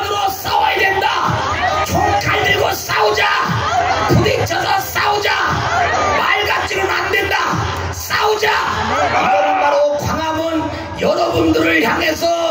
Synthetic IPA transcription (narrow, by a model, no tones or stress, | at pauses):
nɯɾos͈awʌjedwendat͡ɕʰok͈aɭɡiɡos͈aud͡ʑa | kudik̚t͡ɕʰasʰʌs͈aud͡ʑa | maɭɡat͡ɕ͈iɾɯɾandwe̞nda | s͈aud͡ʑaadʌnɯnbaɾokwaŋamɯn | jʌɾʌbundɯɾɯɭçjaŋesʰʌ